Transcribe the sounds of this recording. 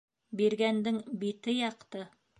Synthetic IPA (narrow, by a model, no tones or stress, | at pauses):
biɾɡænd̪ɘŋbit̪ɘjɑqt̪ɤ